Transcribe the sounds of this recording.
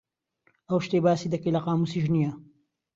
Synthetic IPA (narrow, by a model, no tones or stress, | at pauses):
ɐwʃt̪ebaːsiːd̪ɐkelɐqɑːmusiːʒnijɐ